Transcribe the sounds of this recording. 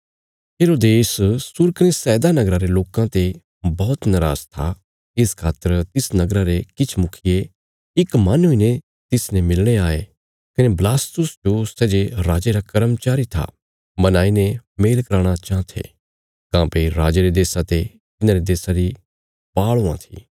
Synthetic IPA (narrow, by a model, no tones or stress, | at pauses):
ɦeːɾoːd̪eːssʊɾkɐnesɛːd̪anɐɡɾaɾeloːkãt̪e | bɔːt̪nɐɾa̰ːzt̪ʰa | ɪskʰaːt̪ːəɾt̪ɪsnɐɡɾaɾekɪt͡ʃʰmʊkʰɪje | ɪkmaːnɦʊine | t̪ɪsnemɪlɽ̃eaːe | kɐneblaːst̪ʊsd͡ʒosɛːd͡ʒeɾaːd͡ʒeɾakɐɾəmt͡ʃaːɾit̪ʰa̰ | bɐnaːinẽmeːlkɐɾaːɽ̃at͡ʃãːt̪ʰḛ | kãːpʰeiɾaːd͡ʒeɾed̪eːsãt̪e | t̪ɪnãɾed̪eːsaɾi | paːɭoã̰t̪ʰi̥̰ː